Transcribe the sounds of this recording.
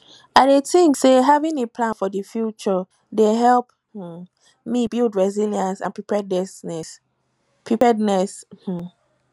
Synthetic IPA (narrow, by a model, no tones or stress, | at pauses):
adetĩŋkseɦavĩnepʰlãnfɔdəfjut͡ʃɔ | deɦɛlˠp̩̚ | mibilˠdɹɛziljãnsã̰npɹipɛdɛsnɛs | pʰipɛdnɛsh̩